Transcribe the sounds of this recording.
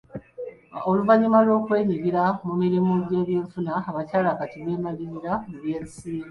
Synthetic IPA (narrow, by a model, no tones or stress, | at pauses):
o̞luvaɲimalwo̞ːkwe̞ːɲiɡiɾamumiɾimuɟe̞ːβje̞ːɱfunaːβacaːlakatiβeːmaliɾiɾamuβje̞ːnisiːɾi